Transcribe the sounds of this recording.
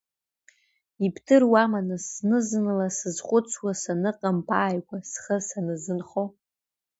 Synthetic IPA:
ipʰtʰɨrwamanɨsnɨzɨnlasɨzχʷʼʊt͡sʰwasanɨqʼampʰaːjkʷʼasχəsanɨzɨnχo

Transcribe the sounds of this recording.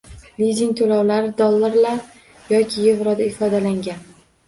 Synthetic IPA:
lid̪ʲiŋt̪ʰolawlaɾɪd̪ɒlˠːaɾlaɾ | jɒkʲʰɪjevɾɒd̪aɪfɒd̪alaŋɡʲan

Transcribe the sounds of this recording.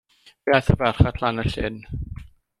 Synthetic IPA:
viaθəvɛrχatʰlanəɬɪ̰n

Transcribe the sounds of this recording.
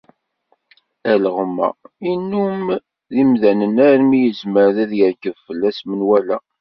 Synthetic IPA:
æləʁəmːæ̰inːum | ðimðænənæɾmijəzməɾðæðjəɾkəvfəlːæsmənwælæ

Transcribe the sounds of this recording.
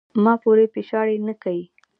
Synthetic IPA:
mɑpoɾepeʃɑɽenəkawi

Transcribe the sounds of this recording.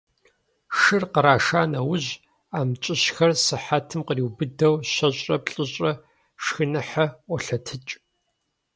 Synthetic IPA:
ʂɨrqəɾaːʂaːnɐwʊʑ | aːmt͡ʃʼɪɕxɐrsɨħatʰɨmqəriːwbɨdɐwɕɐɕʼrɐpɬʼɨɕʼɐ | ʂxɨnɨħaɔɬɐtʰɨt͡ʃʼ

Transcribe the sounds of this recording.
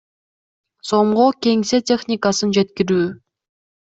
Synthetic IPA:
so̞ɴʁokʲe̞ŋse̞tʲe̞χnʲɪkasɯnd͡ʒe̞t̪̚kʲiɾyː

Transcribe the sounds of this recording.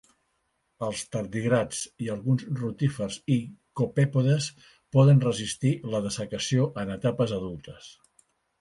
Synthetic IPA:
əlˠst̪əɾd̪iɣɾad͡ziəlˠɣunzrut̪ifərzikopɛpoðəs | pɔðənrəzist̪iləðəsəkəsioʔənət̪apəzəðulˠt̪əs

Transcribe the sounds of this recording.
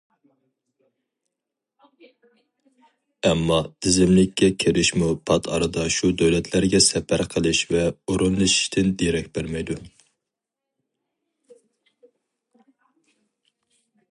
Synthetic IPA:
ɛmːɑd̪̥ɪzɪmlɪkʲːɛkʲʰeɾɪʃmupʰɑt̪ʰɑ̰ɾɨd̪ɑʃud̪øwlɛt̪ʰlæɾɡʲɛsɛpʰæɾqʰəlˠɨʃvɛoɾunlˠɨʃi̥ʃt̪ʰɪnd̪eɾɛk̚ʲbeɾmɛjd̪u

